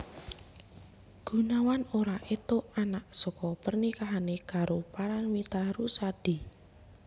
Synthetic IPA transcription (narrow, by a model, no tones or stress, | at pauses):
ɡ̥ṳnawanoɾaʔet̪oanaʔsɔkɔpərnikaɦanekaɾopaɾaŋmit̪aɾusad̥i